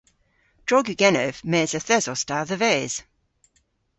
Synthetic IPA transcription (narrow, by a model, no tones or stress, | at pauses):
d̥ɹ̥ɔɡyɡɛnəvmɛːzəθɛzɔstaðəvɛːz̥